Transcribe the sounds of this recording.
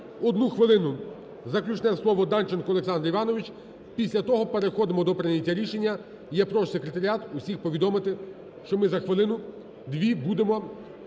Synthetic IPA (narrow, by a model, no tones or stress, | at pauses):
ɔd̪nuxʋɪlˠɪnʊ | zɐklʲut͡ʃnɛslˠɔʋɔd̪ɑnt͡ʃenkʊɔlˠeksɑnd̪ɾiʋɑnɔʋʲit͡ʃ | pʲisʲlʲɐt̪ɔɦɔpeɾexɔd̪ɪmɔd̪ɔpɾɪnʲɐtʲːɐɾʲiʃe̞nʲːɐ | jɛpɾɔʃsekɾet̪ɐɾʲiat̪usʲixpɔʋʲid̪ɔmɪt̪ɪ | ʃt͡ʃɔmɪzɐxʋɪlˠɪnʊ | d̪ʋʲibud̪emɔ